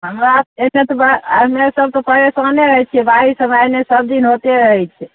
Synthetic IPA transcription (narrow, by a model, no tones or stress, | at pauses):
ɦəmɾaenet̪obamesəb̚t̪opəɾesəneɾəɦɛt͡ʃʰiɛbaɾisəmanesəb̚d̪inɦot̪eɾəɦɛt͡ʃʰɛ